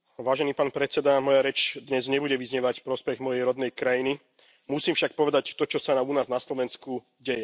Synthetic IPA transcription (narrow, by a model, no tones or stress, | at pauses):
ʋaːʒɛniːpaːnpɾɛt͡sɛd̪amɔjaɾɛt͡ʃd̪ɲɛzɲɛbuɟɛʋizɲɛʋacfpɾɔspɛɣmɔjɛjɾɔd̪nɛjkɾajini | musiːmfʃak̚pɔʋɛd̪act̪ɔt͡ʃɔsanamunaːznaslɔʋɛnsku | ɟɛjɛ